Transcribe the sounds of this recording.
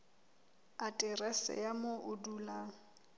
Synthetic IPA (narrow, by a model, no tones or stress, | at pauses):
atʼɪrɛsɛ̰jamoʔʊdulaːŋ̩